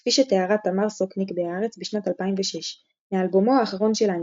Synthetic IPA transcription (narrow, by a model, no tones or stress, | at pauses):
fiʃeteaʁatamaʁsoknikbeaʁet͡sbiʃnatalpaimveʃeʃ | mealbomo̞aːχaʁo̞nʃelan